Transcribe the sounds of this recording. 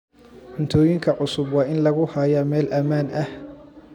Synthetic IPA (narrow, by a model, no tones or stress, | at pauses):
ʊnt̪ʰɔːjɪŋkʰɐʕʊsʊbwɑːʔɪnlɐɣʊhaːjamɛːlʔɐmaːnʔɐh